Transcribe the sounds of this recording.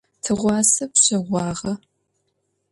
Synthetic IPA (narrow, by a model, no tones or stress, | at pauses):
tʰɨʁʷɑːsɐpɕɐʁʷɑːʁɐ